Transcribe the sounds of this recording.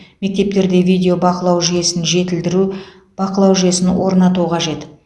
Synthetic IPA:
me̞k̚t̪e̞p̚t̪e̞ɾd̪e̞vijd̪eobɑqəlˠɑwʒyje̞sɪnʒe̞t̪ɪld̪ɪɾu | b̥ɑqəlˠɑwʒje̞sɪnwo̞ɾnɑt̪uqʰɑʒe̞t̪

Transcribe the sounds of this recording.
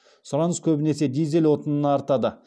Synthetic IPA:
sʊɾɑnəzkʲʰɵbɪne̞se̞d̪ijzelʲwo̞t̪ənənɑːɾt̪ɑd̪ə

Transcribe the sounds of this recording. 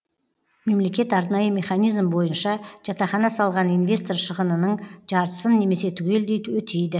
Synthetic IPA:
me̞mle̞kʲe̞t̪ɑɾnɑjəme̞χɑnijzmbo̞jənʃɑʒ̥ɑt̪ɑχɑnɑsɑlˠʁɑnijnvʲe̞st̪o̞rʃəʁənənəɴʒ̥ɑɾt̪ə̥sənːe̞me̞se̞t̪ʰʊɡʲe̞ld̪e̞jt̪wɵt̪ʰejd̪ɪ

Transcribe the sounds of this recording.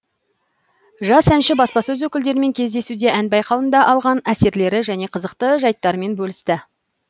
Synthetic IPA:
ʒɑsænʃɪbɑspɑsɵzwɵkʲɪld̪e̞ɾɪme̞ŋkʲʰe̞zd̪e̞sud̪e̞ʔænbɑjqɑwənd̪ɑʔɑlˠʁɑnæse̞ɾle̞ɾɪʒæne̞qʰəzəqt̪əʒɑjt̪ːɑɾəme̞nbɵlɪst̪ɪ

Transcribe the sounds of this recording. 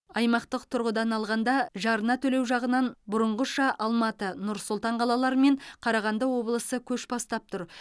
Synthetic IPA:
ɑjmɑqt̪əqt̪ʰʊɾʁəd̪ɑnɑlˠʁɑnd̪ɑʒɑɾənɑt̪ʰɵlewʒɑʁənɑnbʊɾʊɴʁəʃɑʔɑlˠmɑt̪ənʊɾsʊlˠt̪ɑɴqʰɑlˠɑlˠɑɾəme̞ɴqʰɑɾɑʁɑnd̪əwo̞blˠəsəkʲʰɵʃbɑst̪ɑp̚t̪ʰʊɾ

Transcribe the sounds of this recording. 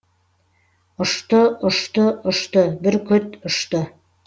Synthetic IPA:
ŏʃt̪oŏʃt̪oŏʃt̪obɘɾkɵt̪ŏʃt̪o

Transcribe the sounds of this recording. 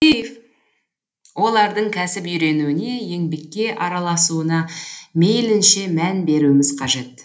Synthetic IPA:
if | wo̞lˠɑɾd̪əɴkʲʰæsɪpʏjɾe̞nuɪne̞je̞ŋbe̞kʲːe̞ʔɑɾɑlˠɑsuənɑmejlɪnʃe̞mænbe̞ɾuɪmɪz̥qʰɑʒe̞t̪̚

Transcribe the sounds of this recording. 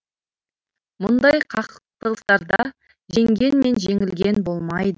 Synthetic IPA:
mʊnd̪ɑjqʰɑqt̪əʁəst̪ɑɾd̪ɑ | ʒe̞ŋɡʲe̞nme̞nʒe̞ŋɪlɡʲe̞nbo̞lˠmɑjd̪ə

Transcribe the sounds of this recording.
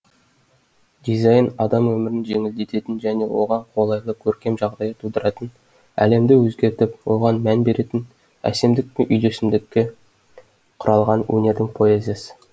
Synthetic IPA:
d̪̥ʲizɑjnɑd̪ɑmwɵmɪɾɪnʒe̞ŋɪld̪et̪e̞t̪ɪnʒæne̞wo̞̰ʁɑɴqʰo̞lˠɑjlˠəkʲʰɵɾkʲe̞mʒɑʁd̪ɑjət̪ʰud̪əɾɑt̪ən | æ̰le̞md̪ɪwɵzɡʲe̞ɾt̪ɪpwo̞ʁɑnmænbe̞ɾʔe̞t̪ɪn | æ̰se̞md̪ɪk̚peʔʏjd̪e̞sɪmd̪ɪkʲːe | qʰʊɾɑlˠʁɑnwɵ̰ne̞ɾd̪ɪŋpʰoezesɪ̥

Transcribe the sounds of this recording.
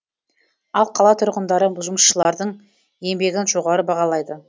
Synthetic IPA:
ɑlˠqʰɑlˠɑt̪ʰʊɾʁənd̪ɑɾəʒʊməsʃəlˠɑɾd̪əɴ | e̞mbe̞ɡʲɪnʒo̞ʁɑɾəbɑʁɑlˠɑjd̪ə

